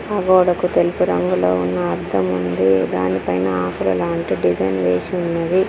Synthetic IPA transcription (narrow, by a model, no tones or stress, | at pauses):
ɐɡɔːɽɐkut̪elupuɾɐŋɡuloːunːɐːɾd̪ʱɐmund̪id̪a̰ːnipɐjnɐaːkulɐlaːɳʈiɖid͡ʒɐjnʋeːsiunːɐd̪i